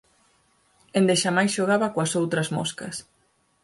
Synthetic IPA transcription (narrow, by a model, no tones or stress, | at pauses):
end̪eʃamajsʃoɣaβɐkwɐsowt̪ɾɐzmo̰skɐs